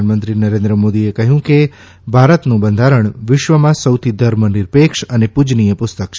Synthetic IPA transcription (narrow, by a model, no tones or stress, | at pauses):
nmənt̪ɾinəɾend̪ɾəmod̪iekəɦjũke | bʱaɾət̪nũbənd̪ʱaɾəɳʋɪʃʋəmãsəwt̪ʰid̪ʱəɾmənɪɾpekʂənepud͡ʒnijəpʊst̪ək̚t͡ʃʰ